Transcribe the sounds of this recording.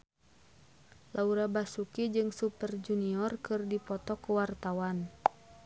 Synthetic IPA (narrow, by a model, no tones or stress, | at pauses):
lauɾabasukid͡ʒɨŋsupərd͡ʒuniɔrkɨrdipɔt̪ɔkəwart̪awan